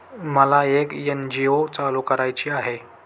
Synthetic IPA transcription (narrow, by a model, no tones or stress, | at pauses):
məlaekjend͡ʑiot͡saluːkəɾajt͡ɕiːaɦe